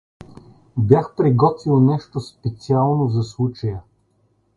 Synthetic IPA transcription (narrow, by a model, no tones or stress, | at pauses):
bʲjaxpɾiɡɔt̪vilˠnɛʃt̪ospɛt̪sialˠnozɐslˠut͡ʃəjə